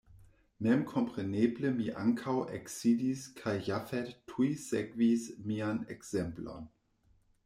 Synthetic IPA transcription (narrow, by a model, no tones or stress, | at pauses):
mɛmkʰɔmpʁ̥eneːbləmiʔa̰ŋkʰawʔɛksidiskʰajjafɛttʰːuisɛɡvismianɛksɛmpla̰n